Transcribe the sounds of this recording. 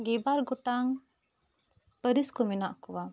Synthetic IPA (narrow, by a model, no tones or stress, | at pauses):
ɡɛbaɾɡɔʈaŋ | pəɾiskɔminaʔkɔwa